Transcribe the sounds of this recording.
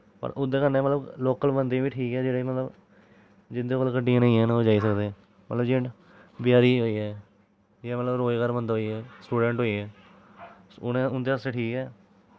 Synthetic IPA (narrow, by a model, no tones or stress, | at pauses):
pə̰ɾʔʊd̪eːkəɾnẽːmət̪ləbloːkəlbənd̪ẽːbiːʈʰiːkɛːd͡ʒeːɽeːmət̪ləb | d͡ʒɪd̪eːkoːlkəɖiãːnə̃ĩɛːnːd͡ʒaːiːsəkd̪ẽː | mə̰t̪ləbd͡ʒẽ | bɪjaːɾiːɦoːiːɛː | jaːmət̪ləbɾoːekəɾbənd̪ɦoːiːɦɛːsʈuːɖɛ̃ːɳʈɦoːiːɦɛː | ʊnẽʊnd̪eːəseːʈʰiːkɛː